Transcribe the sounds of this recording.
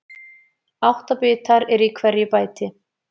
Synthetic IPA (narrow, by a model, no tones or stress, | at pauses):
awht̪apɪːt̪aɾɛɾikʰvɛɾjɪpaːjt̪ɪ